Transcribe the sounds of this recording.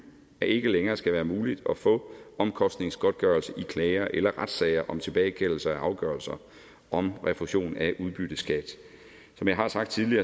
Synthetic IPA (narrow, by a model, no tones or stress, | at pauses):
æe̝ɡ̥əleŋɐːsɡ̥æʋæːɐmuːlid̥ɒ̽fɔ̰̽ːɒ̽mkʰɒ̽sd̥ne̝ŋsɡ̥ɒ̽d̥̚ɡ̥ɶɐlsəʔikʰlɛːɐʔelɐʁad̥sɛɪɐʔɒ̽mt͡sʰe̝b̥ɛːɪkʰel̰l̩sɐæʔɑ̈ʊɡ̥ɶɐlsɐ | ʔɒ̽mʁɛfuɕo̝̰ːnæʔuðˠb̥yd̥əsɡ̥æd̥ | sɒ̽mjɑ̈ɪɦɑ̈sɑ̈ɡ̥d̥̚t͡sʰiðˠliɐː